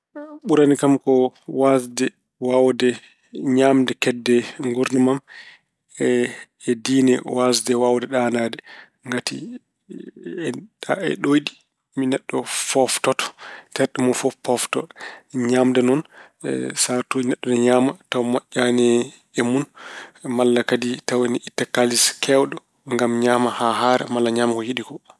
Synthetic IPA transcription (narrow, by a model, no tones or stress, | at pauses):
ɓuɾanikamkɔwasdɛ | wawdɛ | ɲamdɛkɛdːɛŋɡuɾnamam | ɛ | ɛdiːnɛwazdɛwawdɛɗanadɛ | ŋɡatḭ | ɗaɛ̰ɗojdi | minɛɗːɔfɔftɔtɔ̥tʰɛɾɗimɔfɔpːɔftɔ̰tɔɲamdɛnɔn̰ | satonɛɗːɔnɛɲaːmatawmaʔʲːanɛ | ɛmunmalːakaditawanɛʔitːakaliskʰɛwɗɔ | ŋɡamɲaːmahaɦaːɾa̰malːaɲaːmakɔjiɗikɔ